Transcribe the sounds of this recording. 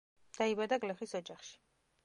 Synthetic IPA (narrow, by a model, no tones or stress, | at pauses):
d̪̥aibad̪aɡlɛχisɔd͡ʒaχʃi̥